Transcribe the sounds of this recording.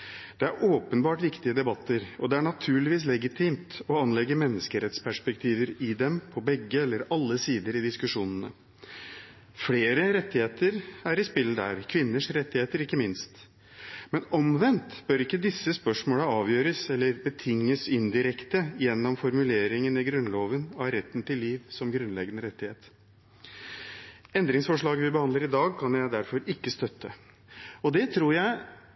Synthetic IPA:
d̪̥ɛæɾʔoːpənbɑːʈʋɪkt̪ɪəd̪ɛbɑt̪ʰːəɾɔd̪ɛæɳɑt̪ʰʉːɭɪʋiːs̬lɛɡɪt̪ʰiːmt̪ɔɑnlɛɡəmɛnːəskəɾɛt̪spʰæʂpɛkt̪ʰiːʋəɾɪd̪ɛmpʰɔbɛɡːəɛlːəɾɑlːəsiːd̪əɾɪd̪ɪskʉʂuːnənə | fleːɾəɾɛt̪ːɪheːt̪əɾæɾɪspɪld̪æ̰ɾkʰʋɪnːəʂɾɛt̪ːɪheːt̪əɾɪkːəmɪnst̪ | mɛnɔmʋɛnt̪b̥œɾɪkːəd̪ɪsːəspœʂmoːləɑːʋjøːɾəsɛlːəɾbət̪ʰɪŋːəsɪnd̪ɪɾɛkt̪əjɛnːɔmfɔɾmʉleːɾɪŋənɪɡɾʉnloːʋənɑɾɛt̪ːnt̪ʰɪlːiːʋsɔmɡɾʉnlɛɡənəɾɛt̪ːɪheːt̪ | ɛnd̪ɾɪŋsfɔʂɭɑːɡəʋɪbəhɑnd̪ləɾɪd̪ɑːɡ̚kʰɑnjæɪd̪æɾfɔɾɪkːəst̪œt̪ːə | ɔd̪ɛt̪ʰɾuːɾjæɪ

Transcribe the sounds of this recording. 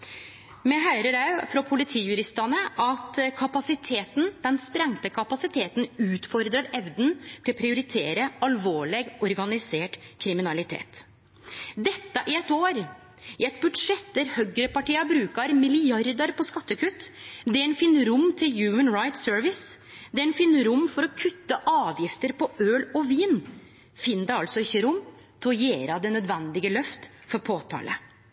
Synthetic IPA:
mɛɦœʏɾəɖɑʉfɾɔpʰʊlɪt̪ʰiːjʉɾɪst̪ɑnəʔɑt̪kʰɑpɑsɪt̪ʰeːt̪nd̪̥ɛnspɾɛŋt̪əkʰɑpɑsɪt̪ʰeːt̪n̩ʉːt̪fɔɾd̪ɾəɾɛʋd̪n̩t̪ʰɪlɔpʰɾɪʊɾɪt̪ʰeːɾəɑlʋoːɭɛɡɔɾɡɑnɪseːʈkʰɾɪmɪnɑlɪt̪ʰḛːt̪ | d̪ɛt̪ːəʔɪɛt̪oːɾ | ɪɛt̪̚bʉd̪ʂɛt̪̚d̪æɾhœɡɾəpɑʈiːɑbɾʉːkɑɾmɪlɪjɑɾd̪əɾpʰɔskɑt̪ːəkʰʉt̪ːd̪ɛɛnfɪnːɾʊmːt̪ʰɪljʉːmənɹaɪt̪søːɾʋɪs | d̪ɛɛnfɪnːəɾʊmːfɔɾɔkʰʉt̪ːəʔɑːʋjɪft̪əɾpʰɔøːlɔʋiːn | fɪnːəd̪ɛɑlsɔɪçːəɾʊmː | t̪ʰɪɔjeːɾɑd̪ɛnœd̪ʋɛnd̪ɪɡəlœft̪fɔɾpʰoːt̪ʰɑ̰ːlʔə̰

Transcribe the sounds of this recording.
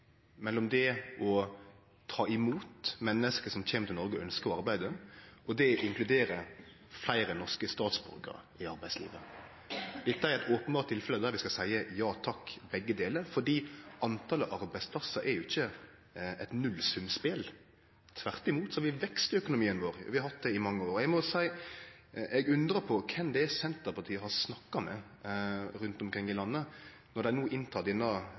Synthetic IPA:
mɛlːɔmd̪ɛʔɔ | t̪ʰɑːɪmuːt̪mɛnːəskəsɔmçeːmət̪ʰɪnɔɾɡəɔœnskəɾɔɑɾbæɪd̪əʔɔd̪ɛʔɪŋklʉd̪eːɾə | flæɪɾənɔskəst̪ɑːt̪sbɾø̰ːkə̰ɾ | ɪɑɾbæɪslḭːʋə̰ | d̪ɪt̪ːəæɾɛt̪oːpənbɑːɾt̪ʰːɪlfɛləd̪æɾʋɪskɑsæɪəjɑːt̪ʰɑkːbɛɡːəd̪eːləɾfɔɖiːɑnt̪ʰɑːləʔɑɾbæɪspʰlɑsːəɾɛɾjʊɪçːə | ɛt̪nʉlsʉmspɪl | t̪ʰʋæʁt̪ɪmuːt̪sɔʋɪʋɛkst̪œkʊnʊmiːənʋoːɾ̰ʋɪhɑɾhɑt̪̚d̪ɛɪmɑŋːəoːɾɔɛɡmɔsæɪ | ʔɛɡʉnd̪ɾəpʰɔkʰɛmd̪ɛsɛnt̪əpɑt̪ʰiːəhɑɾsnɑkːɑmɛ̰ | ɾʉnt̪ɔmkʰɾɪŋːɪlɑnːə | nɔɾd̪æɪnuːʔɪnt̪ʰɑːt̪ɪnːɑ

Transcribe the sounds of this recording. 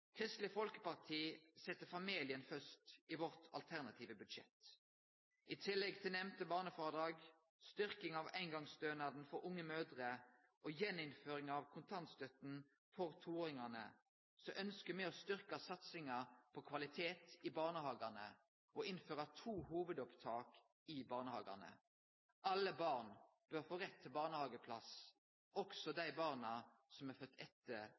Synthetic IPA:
kʰʁɪst̪lɪfɔlkə̥pɑʁt̪ʰiːsɛt̪ːəfɑmiːlɪənfœst̪iːʋɔʁt̪ʰɑ̰lt̪ʰæʁnɑt̪ʰiːʋəbʉd̪ʃɛ̰t̪ | ʔit̪ʰɪlːɛɡt̪ʰɪlnɛmt̪əbɑːʁnəfoːʁəd̪ɾɑːɡ | st̪ʏʁkɪŋɑʋæɪnɡɑŋst̪øːnɑd̪n̩fɔɾʊŋːəmøːd̪ʁəʔojɛnːɪnføːɾɪŋɑʋkʰʊnt̪ʰɑnt̪st̪œt̪n̩ | fɔʁt̪ʰuːoːʁɪŋɑnə̰ | sɔʔœnskəmɛɔst̪ʏɾkɑsɑt̪sɪŋɑpʰɔkʰʋɑlɪt̪ʰeːt̪ɪbɑːʁnəhɑːɡɑnə | ɔɪnføːʁɑt̪ʰuːhuːʋəd̪ɔpt̪ʰɑːk | ɪbɑːʁnəhɑ̰ːɡɑ̰nə̰ | ʔɑlːəbɑːʁn | b̥œʁfoːʁɛt̪ʰːɪlbɑːʁnəhɑːɡəpʰlɑs | ɔksɔd̪æɪbɑːʁnɑsɔmɛʁfœt̪ʰːɛt̪ʰːə

